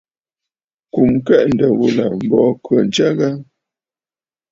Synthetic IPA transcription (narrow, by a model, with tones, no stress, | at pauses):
ku˨m˦kɛ˦ʔn̩˨də˨wu˨la˨m̩˨bɔ˨˦kə˨n̩˨˦t͡ʃa˦ɣa˦